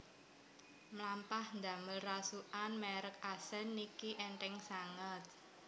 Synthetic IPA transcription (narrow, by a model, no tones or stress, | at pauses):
mlampahnd̪a̤məlrasuʔanmɛɾək̚asɛnːikiʔɛnʈɛŋsaŋət̪̚